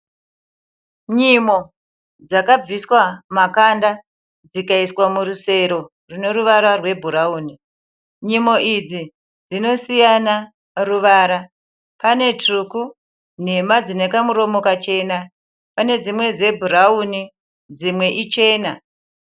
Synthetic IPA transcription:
ɲimo̞ | d͡zakab͡viswamakanda | d͡zikaiswamuruse̞ɾo̞ | rune̞ɾuʋaɾarwe̞bʱuɾauːni | ɲimo̞ʔid͡zi | d͡zino̞sijana | ruʋaɾa | pane̞truku | n̤e̞mad͡zinekamuɾo̞mo̞kat͡ʃe̞na | pane̞d͡zimwe̞d͡ze̞bʱuɾauni | d͡zimwe̞ʔit͡ʃe̞ːna

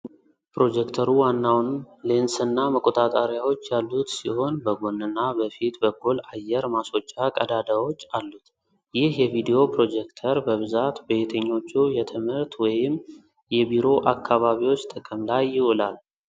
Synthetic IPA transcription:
pɾo̞d͡ʒɛkt̪ʰəɾuwanːawnlensɨnːaməkʼo̞t̪ʼat̪ʼaɾjawot͡ʃːjalːut̪siho̞nbəɡonːɨnːabəfit̪bəɡulajɛɾmaso̞t͡ʃʼːakʼəd̪ad̪awo̞t͡ʃːalːut̪ | jɪhjɛvid̪ijo̞pɾo̞d͡ʒɛkt̪ʰəɾbəβɨzat̪bet̪ʰəɲːo̞t͡ʃːujɛt̪ʰɨmhɨɾt̪wɔjɪm | jɛbiɾo̞ʔakʰːaβaβiwo̞t͡ʃːt̪ʰəkʼəmlajːɪʔolal

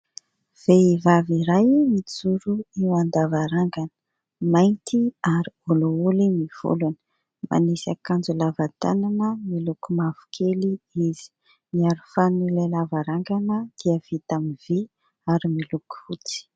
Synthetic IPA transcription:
v̥eivaviɾajmit͡suɾuiwand̪avaɾaŋɡanə̥ | majnt̪iaɾioloulimiv̥ṵlunə̥ | ma̰nisakand͡ʒulavat̪a̰nanəmilukumavu̥kʰeliiz̥i̥ | miaɾufanilalavaɾaŋɡanəd̪̥iəv̥it̪amiv̥i | aɾimiluku̥fut͡si̥

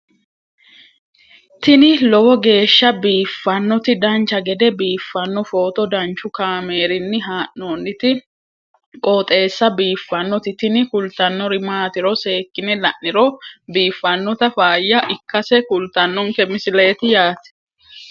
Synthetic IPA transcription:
t̪ɪnɪlɔwɔɡe̞ːʃːɐbiːfːɐnːɔt̪ɪd̪ɐnt͡ʃɐɡɛd̪ɛbiːfːɐnːɔfoːt̪ɔd̪ɐnt͡ʃːʊkaːmeːɾɪnːɪɦaːʔoːnːɪt̪ɪ | kʼoːt̪ʼe̞ːsːɐbiːfːɐnːɔt̪ɪt̪ɪnɪkʊlt̪ɐnːɔɾɪmaːt̪ɪɾɔse̞ːkːɪnɪlɐʔːɪɾɔbiːfːɐnːɔt̪ɐfaːjːɐʔɪkːɐsɛkʊlt̪ɐnːɔŋkɛmɪsɪleːt̪ɪjaːt̪ɛ̥

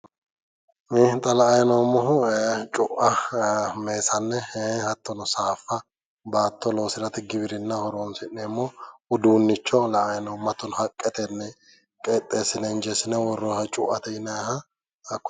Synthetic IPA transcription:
miːht̪ʼːɐlɐʔɐjnomːɔɦʊt͡ʃʼʊʔɐ | me̞ːsɐnːɛhehɐt̪ːɔnɔsaːfːɐ | baːt̪ːɔlo̞ːsɪɾɐt̪ɪɡɪbɪɾɪnːɐhɔɾoːnsɪnːɛmːoːʊd̪uːnːɪt͡ʃːɔlɐʔɐjnɔmːɐt̪ːɔnhɐkʼːɛt̪ɛnːɛ | kʼeːt̪ʼːe̞ːsːɪnɛnd͡ʒɛsɪnɛwɔrːohɐt͡ʃʼʊʔɐt̪ɛɪnɐhɐ | ɐkː

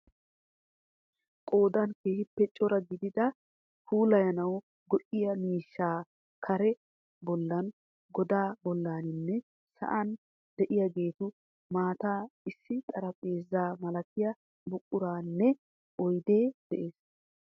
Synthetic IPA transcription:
kʼo̞ːd̪ɐnkeːhɪpːɛt͡ʃʼːɔɾɐɡɪd̪ɪd̪ɐ | huːlɐjɐnɐw | ɡɔʔɪjɐmiːʃːaː | kʰɐɾɛ | bɔlːɐn | ɡɔd̪aːbɔlːaːnɪnːɛ | sɐ̰ʔɐn | d̪ɛʔɪjɐɡe̞ːt̪ʊ | maːt̪aːɪsːɪt̪ʼɐɾɐpʼe̞ːzːaːmɐlɐkɪjɐ | bʊkʼːʊɾaːnːɛ | ʔɔjd̪e̞ːd̪̥ɛʔe̞ːs

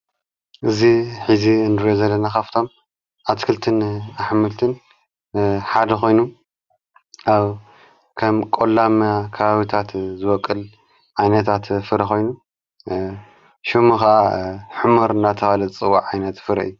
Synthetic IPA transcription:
ʔɨziħiziɨnd̪ɨɾozɐlːɐnakaft̪ʰo̞m | ʔat̪kʰɨlt̪ʰɨnaħmɨlt̪ʰɨn | ħad̪ɐxo̞jnu | ʔaβ | kʰɐmkʼolːamakʰɐβaβit̪ʰat̪zɨwɔkʼːɨl | ʕajnɐt̪ʰat̪fɨɾɐxʰo̞jnu | ʃɨmuxaaħɨmoɾɨnat̪ʰɐxalɐt͡sʼɨwːa̰ʕajnɐt̪fɨɾɐ̰ʔɨjːu

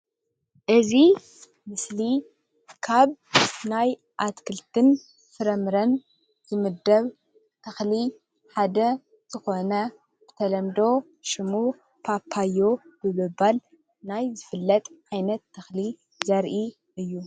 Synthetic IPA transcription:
ʔɨzi | mɨsli | kʰaβnaj | ʔat̪kʰɨlt̪ʰɨn | fɨɾɐmɾɐn | z̥ɨmɨd̪ːɐβ | t̪ʰɐxli | ħad̪ɐ | z̥ɨxo̞nɐ | b̥ɨ̥t̪ʰɐlɐmd̪o̞ | ʃɨmu | pʰapʰːajːo̞b̥ɨmɨbal | najzɨfɨlːɐt̪ʼʕajnɐt̪ːɐxli | zɐɾʔi | ʔɨjːu

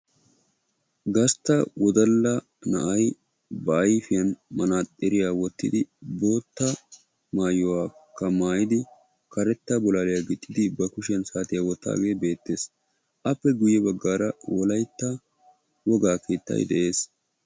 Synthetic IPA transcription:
ɡɐst̪ːɐwɔd̪ɐlːɐ | nɐʔɐj | bɐːjfɪjɐnmɐnaːt̪ʼɪɾɪjaːwɔt̪ːɪ̰d̪ɪbo̞ːt̪ːɐ | maːjɔwaːkːɐmaːjɪd̪ɪ | kɐɾɛt̪ːɐbɔlaːlɪjaɡɪt̪ʼːɪd̪ɪbɐkʊʃɪɐnsaːt̪ɪjawɔt̪ːa̰ːɡe̞ːbe̞ːt̪ːe̞ːs | ʔɐpːɛɡʊjːɛbɐɡːaːɾɐwɔlɐjt̪ːa | wɔɡaːkeːt̪ːɐ̰jd̪ɛʔe̞ːs

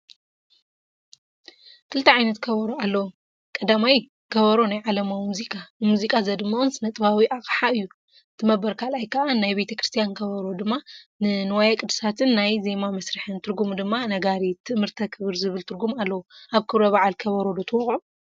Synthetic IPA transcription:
kʰɨlt̪ʰɐʕajnɐt̪kʰɐβɐɾoalːɐwu | kʼɐd̪amaj | kʰɐβɐɾonajʕalɐmawimuzikʼanɨmuzikʼazɐd̪ɨmːawunsɨnɐt̪ʼɨβawiʔakʼħaɨjːu | t̪ʰɨmɐbɐɾkʰalajkʰɐʔanajbe̞t̪ʰɐkɾɨst̪ʰijankʰɐβɐɾo̞d̪ɨmːanɨnɨwajakʼɨd̪ɨsat̪ʰɨnːajze̞mamɐsɾɨħɨnt̪ʰɨɾɡumd̪ɨmːanɐɡaɾit̪ʰɨʔmːɨɾt̪ʰɐkʰɨβɨɾzɨβɨlt̪ʰɨɾɡumalːɐwuʔaβkʰɨβɾoβaʕalkʰɐβɐɾo̞d̪ɐt̪ʰɨwɔχʼʕu

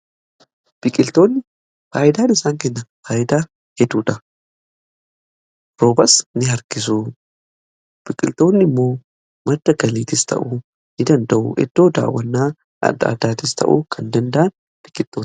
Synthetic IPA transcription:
b̥ɪkʼɪlt̪o̞ːnːɪ | faːʔɪd̪aːnɪsaːŋkɛnːɐfaːjɪd̪aː | hɛd̪uːᶑɐ | ɾoːbɐsnɪɦɐɾɡɪs̬u | b̥ɪkʼɪ̰lt̪o̞ːnːɪmːo̞ː | mɐd̪ːɐɡɐliːt̪ɪst̪ʰɐ̰ʔu | nɪd̪ɐnd̪ɐʔʊ̰ʔɛ̰d̪̥ːo̞ːd̪a̰ːwːɐnːaː | ʔɐ̰d̪ːa̰ːd̪aːt̪ɪst̪ʰɐ̰ʔṵkʰɐnd̪ɐnd̪ɐʔɐn | b̥ɪkʼɪlt̪ːoː

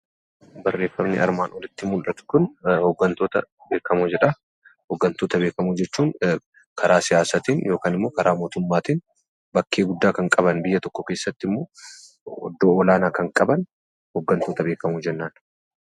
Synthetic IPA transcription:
bɐrːe̞ːfːɐmnɪ̰ɐ̰ɾmaːnɔlɪt̪ːɪmʊlᶑɐt̪ʊ̥kʊnhɔɡːɐnt̪oːt̪ɐbeːkʰɐmud͡ʒɛᶑɐ | hɔɡːɐnt̪oːt̪ɐbe̞ːkɐmud͡ʒɛt͡ʃːuːŋ | kʰɐɾaːsɪjaːsɐt̪iːnjo̞ːkaːnɪmːoːkɐɾʔaːmo̞ːt̪ʊmːaːt̪iːn | bɐkːe̞ːɡʊd̪ːaːkɐŋkʼɐβɐnbɪjːɐt̪ɔkːɔke̞ːsːɐt̪ːɪmːo̞ː | ɔ̰d̪ːoːɔlaːnaːkɐŋkʼɐbɐn | hɔɡːɐnt̪oːt̪ɐbe̞ːkɐmud͡ʒɛnːaːn

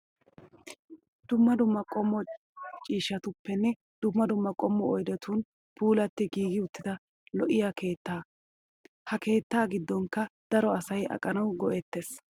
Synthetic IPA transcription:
d̪̥ʊmːɐd̪ʊmːɐkʼɔmːɔ | t͡ʃʼiːʃɐt̪ʊpːɛnːɛ | d̪̥ʊmːɐd̪ʊmːɐkʼɔmːɔɔjd̪ɛt̪ʰun | pʰuːlɐt̪ːɪɡiːɡɪʊt̪ːɪd̪ɐ | lɔʔɪjakʰe̞ːt̪ːaː | hɐke̞ːt̪ːaːɡɪd̪ːɔŋkːɐd̪̥ɐɾɔɐsɐjɐ̰kʼːɐnɐwɡɔʔɛt̪ːes

